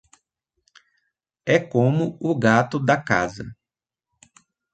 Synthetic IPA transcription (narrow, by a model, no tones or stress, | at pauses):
ɛkõmʊʊɡat̪ʊd̪ɐka̰zɐ̰